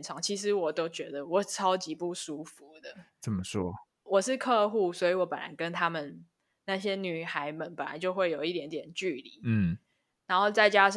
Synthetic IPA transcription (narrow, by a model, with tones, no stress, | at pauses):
nʈ͡ʂʰɑ˨˩˦ŋt͡ɕʰi˧˥ʂ̬ɻ̩˧˦wɔ˨˩t̪o˥ʊt͡ɕɥɛ˧˥d̪ə˨wɔ˨˩ʈ͡ʂʰɑ˦˥ʊt͡ɕi˧˦pu˥˩ʂu˦˥fu˨˦d̪ə˨˦t͡sə˨˩mə˦ʂwɔ̰˦˥ | wɔ˨˩ʂɻ̩˥˧kʰɤ˥˧xu˥˩swɔ˧˥i˧˥wɔ˧˦˥pə˨˩na̰˧˦nkə˦nt̪ʰa˥mə˨n | na˥˩ɕjɛ˦˥ny˨˩xa˧˥ɪmə˨˦npə˨˩nla̰˧˦nt͡ɕjo˥˧ʊxwe˥˩ɪjo˨˩ʊi˥˩t̪jɛ˧˥nt̪jɛ˨˩nt͡ɕy˥˩lḭ˨˩˦ | na˧˥nxo˥˧ʊt͡sa˥˩ɪt͡ɕja˦ʂ